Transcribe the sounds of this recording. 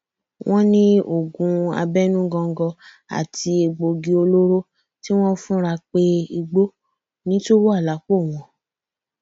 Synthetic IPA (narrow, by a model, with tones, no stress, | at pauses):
wʔɔ̃˦nĩ˦o˨ɡũ˨a̰˧bɛ˦nũ˦ɡɔ̃˧ŋ̩˦ɡɔ˧ | a̰˨ti˧e˧ɡ͡bo˧ɡi˧o˧lo˦ɾo˦ | ti˦w̃ɔ̃˦fũ˦ɾa˧k͡pe˦i˧ɡ͡bo˦ | nĩ˦to˦wo˦a˦˨la˨˦ko˦˨w̃ɔ̃˨